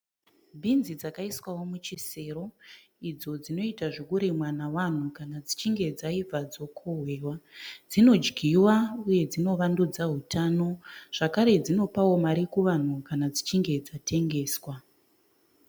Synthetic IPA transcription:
bʱinzid͡zakaiswawo̞mut͡ʃise̞ɾo̞ | id͡zo̞d͡zino̞itaʐikuɾimwanawan̤ukanad͡zit͡ʃiŋɡe̞d͡zaib͡vad͡zo̞kʰoɦwe̞wad͡zino̞d͡ʒɡʱiwauje̞d͡zino̞ʋandud͡zaɦutʰano̞ʐ̥akaɾe̞d͡zino̞pawo̞maɾikuʋan̤ukanad͡zit͡ʃiŋɡe̞d͡zatʰe̞ŋɡe̞ːswa

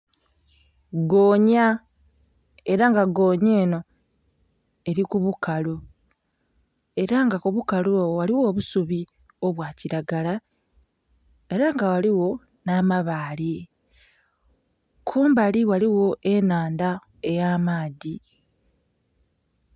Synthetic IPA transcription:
ɡoːɲa | e̞ɾaŋɡaɡo̞ːɲeːno̞ | e̞ɾikuβukalo | e̞ɾaŋɡakuβukalowaliwo̞ːβusuβi | o̞βwaːciɾaɡala | e̞ɾaŋɡawaliwo̞ | namaβaːle | kʰuːmbaliwaliwo̞ʔe̞naːnda | e̞jaːmaːði

